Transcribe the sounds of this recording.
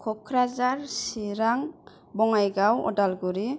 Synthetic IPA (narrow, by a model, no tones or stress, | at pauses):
kʰɔkʰɾazaɾsiɾaŋ | bɔŋajɡawɔ̰dalɡuɾi